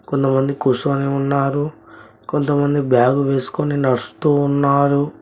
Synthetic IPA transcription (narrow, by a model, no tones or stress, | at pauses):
ko̞nt̪ɐmɐnd̪ikusuːniunːaːɾu | ko̞nt̪ɐmɐnd̪ibjaːɡuʋe̞ːsu̥koninɐɾɐst̪uːnːaːɾu